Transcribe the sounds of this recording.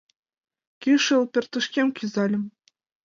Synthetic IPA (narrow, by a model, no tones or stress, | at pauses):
kʲiʂɘlˠpʲɘ̆rʲt̪ɤ̆ʃkʲemkʲyzɑlʲɘ̆m